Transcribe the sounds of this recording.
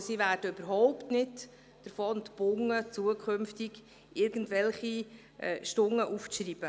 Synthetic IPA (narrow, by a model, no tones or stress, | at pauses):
sivæːɾd̥əøbəɾɦɔʊptnɪt | d̥əɾfɔːntb̥ʊŋət͡suəkʰømftɪɡ | ʔɪɾɡən̩tʋɛlχi | ɛʃtʊŋːəʔuft͡sriːb̥ə